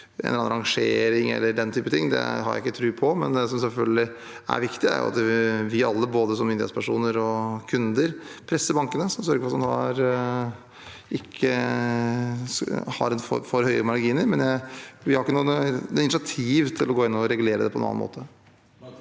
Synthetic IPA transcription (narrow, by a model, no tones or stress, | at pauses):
ɛ̰nɑnɑɾɑŋʂeːɾɪŋɛ̰lːəɖɛnt̪ʰyːpət̪ʰɪŋːd̪ɛ̰ɦɑɾjæ̰ɪɪkːət̪ʰɾʉːpʰɔmɛnd̪ɛsɔmsɛlfœlɡəlɪ | æ̰ɾʋɪkt̪ɪæ̰ɾjʊ̰ɑ̰t̪ʋɪɑlːəboːd̪əsɔmɪnd̪ɪhḛːt̪spʰæʂuːnəɾɔkʰʉnd̪əɾpʰɾɛsːəbɑŋkənəsɔmsœɾɡəfɔɾɑt̪mɑnhɑ̰ɾ | ɪkʰːə | hɑ̰ɾɛnfɔ̰fɔɾhœʏəɾəmɑɾɡiːnəɾmɛnjæɪʋɪhɑɾɪkːənuːɪnɪʂɑt̪ʰiːʋt̪ʰɪlːɔɡoːɪnːɔɔɾɛɡʉleːɾəd̪ɛpɔɛnɑ̰ːnmo̰ːt̪ə